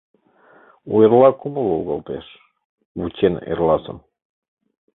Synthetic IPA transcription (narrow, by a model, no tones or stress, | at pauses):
ueɾlɑkuməluɣəlt̪eʃ | ut͡ɕenḛrlɑsə̰m